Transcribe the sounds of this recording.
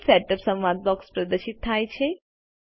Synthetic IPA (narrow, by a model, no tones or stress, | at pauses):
sɛʈəpsəmʋad̪̚bɔkspɾəd̪əʃit̪ʰːajt͡ʃʰe